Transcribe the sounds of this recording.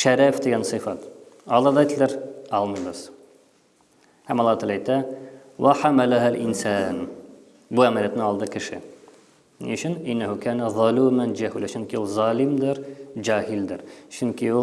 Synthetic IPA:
ʃæɾafd̪eɡansɨfɑt̪ | ɑlˠɑd̪ɑjt̪lɪɾɑlˠmɯjbəz̥ | hamɑlˠːɑt̪ɑlˠɑːjt̪a | wʔaħamalaɦalʔɪnsaːn | buæmælijat̪nɪɑlˠd̪ɤkʰɪʃɪ̰ | nḭʊt͡ʃɪnɪnːahʊkʰaːnaðˤɑluːmand͡ʒaɦulaʃʊŋkiuzˤɑːlɪmd̪ɪɾd͡ʒaːhɪld̪ɪɾt͡ʃʊŋkɪu

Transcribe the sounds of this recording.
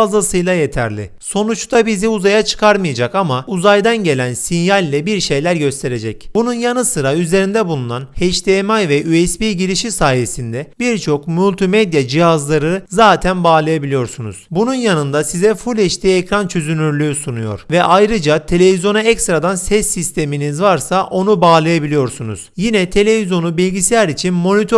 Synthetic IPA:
zasɯjlˠaje̞t̪ʰæ̰ɾlʲɪ̰so̞nut͡ʃt̪ʰabiziuzajat͡ʃʰɯ̥kʰaɾmɯjad͡ʒakamauzajd̪anɟe̞lʲænsinjalʲːɛbiɾʃe̞jlʲæɾɟø̞st̪ʰe̞ɾe̞d͡ʒɛcbununjanɯsɯɾayze̞ɾind̪ɛbulˠunanhɛʃt̪ʰemajvɛʔyɛspiːɟiɾiʃisaːje̞sind̪ɛbiɾt͡ʃʰo̞kmylʲt̪ʰimed̪jad͡ʒihazlˠaɾɯzaːt̪ʰænbaːlˠajabilʲijo̞ɾsunṵz̥bununjanɯnd̪asizɛfulʲɛʃt̪ʰiːecɾant͡ʃʰøzynyɾlʲyːsunujo̞̰ɾ̥vɛʔajɾɯd͡ʒat̪ʰe̞lʲe̞vizjo̞nuɛcst̪ɾad̪ansɛsːist̪ʰe̞minizvaɾsaʔo̞nubaːlˠajabilʲijo̞ɾsunṵz̥jinɛt̪ʰe̞lʲe̞vizjo̞nubilʲɟisejæɾit͡ʃʰinmo̞nit̪ʰo

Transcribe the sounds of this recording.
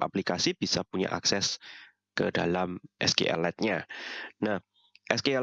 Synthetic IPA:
a̰plikasib̥isapuɲa̰ʔa̰ksɛs | kədalamʔɛ̰skḛʔɛ̰lɛt̪̚ɲanah | ʔɛskeɛ

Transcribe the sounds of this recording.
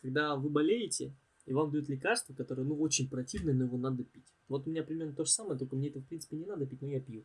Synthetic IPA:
kɐɡ̚d̪avɨbɐlʲejɪtʲɪ̰ | ivamd̪ɐjut̪lʲɪkarst̪vəkɐt̪o̞ɾɨjənuo̞t͡ɕɪnʲpɾɐtʲivnɨjəno̞jɪvo̞nad̪əpʲitʲvo̞t̪ʊmʲɪnʲapɾʲɪmʲe̞rnət̪o̞ʐəsaməjət̪olʲkəmʲeɛt̪əfpɾʲint̪pʲɪnʲɪnad̪əpʲitʲnojapʲju

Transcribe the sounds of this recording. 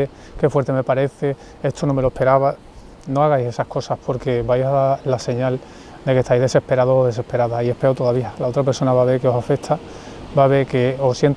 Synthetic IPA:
e | ke̞fwe̞ɾt̪e̞me̞paɾe̞θe̞ | est̪o̞nõ̞me̞lohpe̞ɾaβa | noaɣ̞ajse̞sahko̞sahpʰo̞ɾke̞bajsalase̞ɲal | d̪eke̞st̪ajzðe̞se̞hpe̞ɾað̞osoðe̞se̞hpe̞ɾaðoie̞hpe̞ot̪o̞ðaβialao̞t̪ɾape̞ɾso̞naβaβ̞e̞ɾkeo̞safe̞t̪ʰa | baβe̞ɾke̞osjent̪

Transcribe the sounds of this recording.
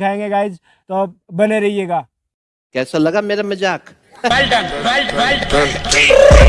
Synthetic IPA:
kʰaːẽːŋɡeɡaːɪd͡ʒ | t̪oːbɐneɾɐɦieːɡaː | kɛːsalɐɡameːɾamɐd͡ʒaːk | ɛlʈənmɛlɛlʈ

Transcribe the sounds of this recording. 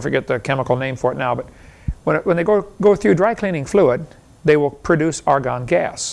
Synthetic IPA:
fə˞ɡɛt̪̚ðɨkʰɛməkl̩ˠnẽɪ̃ɱfə˞ɨtⁿnaʊbʌt̚wə̃nwə̃nðeɪɡoʊɡoʊθɹʉdɹaɪkʰl̥ĩnɪ̃ŋfluɪd̪̚ | ðeɪwɪlˠpʰɹ̥ɨdʉsɑɹɡɑ̃nɡæ̰s

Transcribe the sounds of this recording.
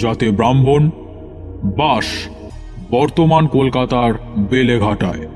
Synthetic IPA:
d͡ʑat̪ebɾambʱon | baʃ | bɔɾt̪omankolkat̪aɾbeleɡʱaʈae

